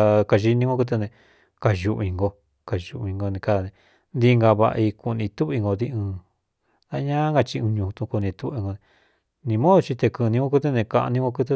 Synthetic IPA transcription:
ka˧ʒi˧nĩ˧ŋɡo˦˧ku˧t̪̬e˧nẽ˧ | ka˧ʒu˧ʔĩ˧ŋɡo˧ | ka˨ʒu˧ʔĩ˧ŋɡo˧nĩ˧ka˧ða˧˨nẽ˧ | nd̪i˧ŋɡa˧βa̰˧ʔi˧ku˧nĩ˧t̪u˦˧i˧ŋɡo˧d̪i˦˧ɨ̃ː˧ | ða˦˧˦ɲã˦ŋɡa˧t͡ʃi˧ũ˧ɲũ˧t̪ũ˧ku˧nĩ˧t̪u˦βi˧ŋɡo˧nẽ˧ | nĩ˧mõ˦ðo˧t͡ʃi˧t̪e˧kɨ˧nĩ˧ŋɡo˦k̬u˦t̪̬e˦˧nẽ˧kã˧ʔnĩ˦ŋɡo˧ku˦t̪̬e˧

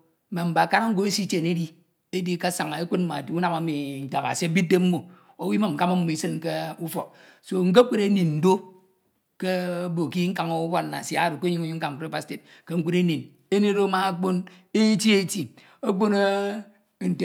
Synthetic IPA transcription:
me˨m̩˨ba˨ka˦na˦ŋ̩˦ɡo˦e˦si˦t͡ʃe˨ne˦di˦ | e˦di˦ka˦sa˨ŋ˨e˦kʷe˦n̚m̩˦ma̰˨tu˦na˨ma˨˦mi˨n̩˨ta˨ba̰˨se˦bi˦de˦m̩˦mo˨ | o˦wi˦ma˨m̩˨ka˦ma˦m̩˦mo˨i˦sɨ˦nke˦u˦fo̰˨k̚so˦ŋ̩˦ɡe˦kʷe˦ɾe˦ni˨n̩˨do˦ | ke˦bo˨ki˦ŋ̩˦ka˨ŋo˦u˦ba˦˨a̰˨si˦˨a̰˨ɾo˨ko˦ɲi˦ŋ˦ɲi˦ŋ̩˦a˨ŋ˨pɾe˦pa˦˨ste˨t̚ke˦ŋ̩˦kʷu˦ɾe˦ni˨n | e˦ne˦ɾo˦ma˨a˦k͡po˦n | e˦ti˦e˦ti˨ | o˦k͡po˦ne˦˨ | n̩˨te˨

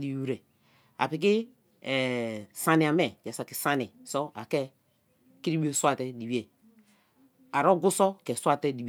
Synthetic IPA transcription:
li˨u˦ɾɛ˨ | a̰˨pi˨k̬i˦˨ | sa˨ni˨a˨mɛ˨ja˨sa˨ki˨sa˦ni˨sɔ˦a˨kɛ˦ | ki˦ɾi˦i˦e˦swa˨tɛ˦di˨bi˦e˨ | a˨ɾɔ˦ɡu˦sɔ˦kɛ˨swa˦tɛ˦i˨˦˨

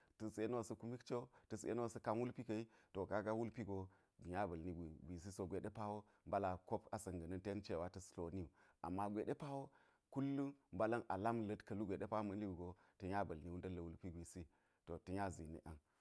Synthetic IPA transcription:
tə˨se˦n˦wa˨sɐ˦ku˦mi˦kt͡ʃe˦tə˨sḛ˦n˦wa˦sɐ˦ka˦nwu˦lpi˦kɐ˨i˦to˨ka˦ɡa˦wu˦lpi˦ɡo˨ | ɡi˨ɲa˦bɐ˨lni˦ɡʷi˨ɡʷi˨s̬i˦so˨ɡʷe˨ɗe˦pa˦wo˦ | mba˦la˨ko˦pa˨sɐ˨ŋɡɐ˨nɐ˦nte˦nt͡ʃe˨wa˦tɐ˨slo˨ni˦u˨a̰˨mːa˦ɡʷe˨ɗe˦pa˦wo˦ | ku˦lːu˦mba˦lɐ˦nʔa̰˨la˦mlɐ˦tkɐ˨lu˦ɡʷe˨ɗe˦pa˦mɐ˦nli˦wu˨ɡo˨ | tɐ˨ɲa˦bɐ˨lni˨˦wu˦ndɐ˦lːɐ˨wu˦lpi˦ɡʷi˨si˦ | to˨tə˨ɲa˦zḭ˨nḭ˨ʔa˦n

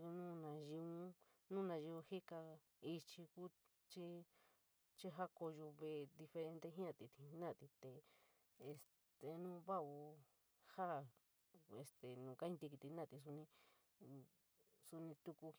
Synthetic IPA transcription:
u˧nũ˦nã˧ʒi˧ũ˦ | nũ˦nã˧ʒi˧ũ˧hi˦ka˧ | i˧t͡ʃi˧ku˦ | t͡ʃi˦ | t͡ʃi˦ɦa˦ko˧ʒo˧βe˧˨˧d̪i˧fe˧ɾẽ˧nt̪e˦ɦĩ˦ã˧t̪i˧t̪ʰĩ˧nã˦˨t̪i˧t̪e˨ | e˧s | t̪e˨nũː˦βa˦u˧ | ha˦˨ | e˨st̪e˨nũː˨˧ka˦ĩ˧nt̪i˧ki˧t̪i˧˦nã˦˨t̪i˧s̬u˧nĩ˧ | su˧nĩ˧t̪u˧ku˧

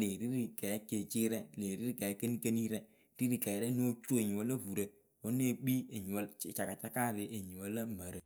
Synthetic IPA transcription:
le˨ɾi˦ɾi˨kɛ˨˦ke˨t͡ʃi˦ɾɛ˦le˨ɾi˦ɾi˦ke˨˦ke˦ni˦ke˦ni˦ɾe˦ | ɾi˦ɾi˨ka˨˦ɾe˦n˦o˦t͡ʃo˦e˨ɲi˨wo˦la˦vu˨ɾe˨ | o˦n˦e˦˨k͡pi˦e˨ɲi˨wt͡ʃa˨ka˨t͡ʃa˦ka˦˨ɾɪ˨ʔe˨ɲi˨wo˦la˦ma˨ɾə˨

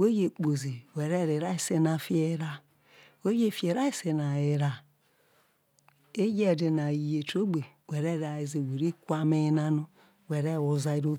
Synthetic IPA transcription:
we˦je˨k͡po˨ze˨wɛ˨ɾɛ˦˨ɾe˨ɾa˦i˦˨se˦na˨fi˦e˦ɾa˦ | we˦je˦˨fe˨ɾa˦i˦se˨na˨e˨ɾa˨ | e˦je˦˨de˨na˨i˨je˨to˦ɡ͡be˨wɛ˨ɾɛ˦˨ɾa˨i˨ze˨we˨ɾi˦kʷa˦me˦na˦no˦ | wɛ˨ɾɛ˦˨wo˨za˨i˨ɾo˦

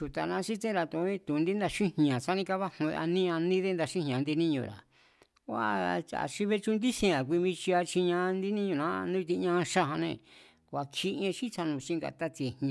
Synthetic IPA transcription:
ʃu˨t̪a˨nã˧˦ʃi˦t̪ẽ˦ɾa˧t̪ũ˨˧ĩ˦t̪ũ˨˧nd̪i˦nd̪a˧ʃĩ˦hɲã˨t͡ʃa˦nĩ˧ka˦˧βa˦hṵ̃˧ʔa̰˧nĩ˦ã˧nĩ˦ðe˦nd̪a˧ʃĩ˦hɲã˨nd̪i˧nĩ˦ɲṵ̃˧˨ɾa̰˨ | kʷa˧a̰˨ʃi˧βe˧t͡ʃũ˧nd̪i˦sĩ˧ã˨k̬ʷi˧βĩ˧t͡ʃi˧a˧t͡ʃi˧ɲã˧nd̪i˦nĩ˦ɲũ˧˨nã˦˧nũ˦˧t̪i˧ɲã˧ʃa˦ɦã˧nẽ˧˨ | kʷa˧kʰi˦ẽ˧ʃĩ˦t͡ʃa˧nũ˧t͡ʃĩ˦ŋɡa̰˧˨t̪a˦t͡s̪e˧h

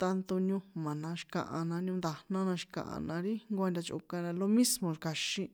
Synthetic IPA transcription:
t̪a˧nt̪u˧ɲũ˧mã˨nã˧ʃi̥˧kã̰˧˨ʔã̰˧nã˧ɲũ˧nd̪a˧nã˦nã˧ʃi̥˧kã̰˨ʔã̰˧nã˧ɾi˦ŋɡʷa˧nd̪ʲa˧t͡ʃṵ˧kã˧ɾã˧lo˧mĩ˦smõ˧ɾka˧ʃĩ˦˧

